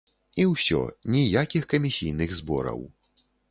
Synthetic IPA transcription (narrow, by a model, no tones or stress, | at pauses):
iwsʲɔ̰nʲijakʲixkɐmʲisʲijnɨɣzbɔ̰ɾɐ̰w